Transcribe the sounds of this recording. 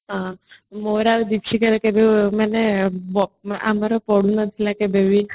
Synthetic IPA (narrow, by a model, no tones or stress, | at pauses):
ɦãmoɾaʋed̪ipʃikəɾekebʱeməneɔa̰maɾopɔɽũnət̪ʰilakebeʋi